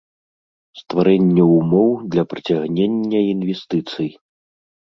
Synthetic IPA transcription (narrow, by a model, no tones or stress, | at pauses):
st̪vaɾɛnʲːɐumɔwd̪lʲɐpɾɐt͡sʲaɣnʲenʲːɐinvʲɛst̪ɨt̪sɨj